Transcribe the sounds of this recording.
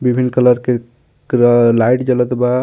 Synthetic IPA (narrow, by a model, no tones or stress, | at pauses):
bibʱinːkələɾke | ɾlajʈd͡ʒələt̪ba